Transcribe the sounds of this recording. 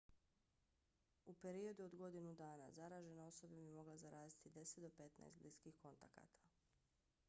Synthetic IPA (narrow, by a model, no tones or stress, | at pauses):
upe̞ɾio̞d̪uo̞d̪ɡo̞d̪inud̪aːna̰zaɾaːʒe̞nao̞so̞bebimo̞ɡlazaɾaːzit̪id̪e̞set̪d̪o̞pe̞t̪na̰est̪bliskixko̞nt̪aka̰t̪ʰḁ